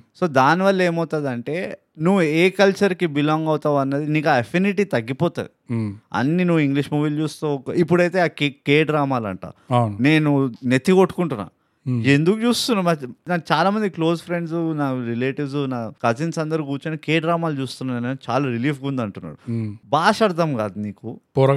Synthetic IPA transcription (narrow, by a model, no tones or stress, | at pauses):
so̞ːd̪aːniʋɐlːɐe̞ːmɐwt̪aːd̪ɐɳʈe̞ː | nuʋːueːkɐlt͡ʃɐɾkibilɔːŋɡɐwt̪aːʋɐnːɐd̪iniːkaɐpʰiniʈ̬it̪ɐɡːipɔːt̪a̰ːd̪iɐ̰nːinuʋːuiŋɡliʂmoːʋiːlt͡ʃuːst̪uːkːipːuɽɐjt̪e̞ːaːkkeːɖɾaːmaːlɐ̰ɳʈa̰ːne̞ːnunet̪ːikoʈːu̥kuɳʈunːa̰ː | end̪ukut͡ʃuːst̪unːaːmɐnat͡ʃaːlaːmɐnd̪iklo̞ːzpʰɾe̞ɳɖsunaːɾileːʈiʋsunaːkɐd͡ʒinsɐnd̪ɐɾuɡuːt͡ʃɐnikeːɖɾaːmaːlt͡ʃuːst̪unːaːnɐneːt͡ʃa̰ːlaːɾiliːf̬ɡund̪ɐɳʈunːa̰ːɾubaːʃɐɽt̪ɐmkaːd̪uniːkup